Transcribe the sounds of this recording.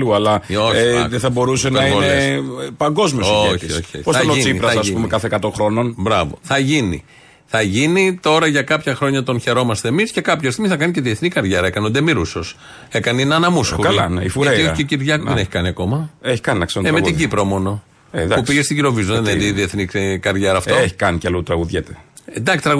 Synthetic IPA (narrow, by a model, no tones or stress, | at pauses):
luɐlɐoeðeθɐbo̞ɾusenɐɐiɡoleespɐŋɡo̞zmiosooço̰posɐnoiipɾɐɐsɐspumekɐθekɐt̪o̞xɾo̞no̞nbɾɐvo̞̰θɐʝinḭ | θɐʝinit̪o̞ɾɐʝɐkɐpçɐxɾo̞ɲɐt̪o̞nçe̞ɾo̞mɐst̪eːmisce̞kɐpçɐest̪imiθɐk̬ɐniceðieθnikɐɾʝeɾɐekɐnod̪emiɾusos | e̞kɐniinɐnɐmusxoɐlɐneifuɾeioçiceciɾʝɐkuðeneçi̥kɐniɐko̞mɐeçi̥kɐninɐksɾonteɾmet̪iɟipɾomo̞no̞ | ed̪ɐpupiʝest̪iʝiɾo̞vizuððeneç̪iðieθnikɐɾðʝeɾɐːft̪oeçi̥kɐnicɐlot̪ɾɐɣuðʝet̪ed̪ɐkst̪ɾɐ